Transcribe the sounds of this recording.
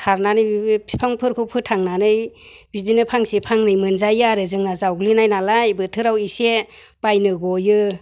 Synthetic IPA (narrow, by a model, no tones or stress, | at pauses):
tʰaɾnanɯjpʰipʰaŋpʰɯɾkʰɯpʰɯtʰaŋnanɯjbidinɯpʰaŋsipʰaŋnɯjmɯnzajaɾɯzɯŋnazawɡlinajnalajbɯtʰɯɾawiseb̥ajnɯɡɔjɯ